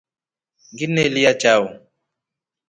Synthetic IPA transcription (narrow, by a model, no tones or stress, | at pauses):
ɡineliat͡ʃau